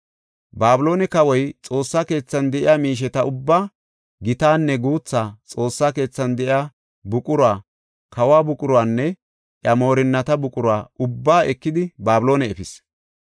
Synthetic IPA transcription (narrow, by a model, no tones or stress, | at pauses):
baːbɪlo̞ːnɛkɐwɔjt͡sʼo̞ːsːaːke̞ːt͡sːɐnd̪ɛʔɪjaːmiːʃ̬ɛt̪ɐʊbːaː | ɡɪt̪aːnːɛɡuːt͡sːaːt͡sʼo̞ːsːaːke̞ːt͡sːɐnd̪ɛʔɪaː | bʊkʼʊɾwaː | kɐwaːbʊkʼʊɾʊaːnːɛ | ʔjɐmo̞ːɾɪnːɐt̪ɐbʊkʼʊɾwaːʊbːaːʔɛkːɪd̪ɪbaːbɪlo̞ːnɛɛfɪs